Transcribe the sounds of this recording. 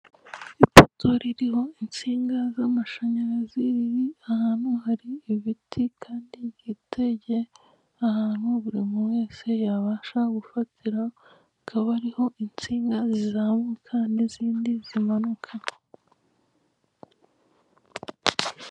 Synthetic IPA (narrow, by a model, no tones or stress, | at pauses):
ipotʰo̞ɾiɾiho̞int͡siːŋɡazamaʃaɲaɾazijiahaːn̥huhaɾiːβitʰikʰaːndiɡiteɟe̞ | ahaːn̥huβuɾimuweːse̞jaβaːʃaɡufatʰiɾa | kʰaβaɾiho̞ʔint͡siːŋɡazizamekʰandiziːndizimanukʰa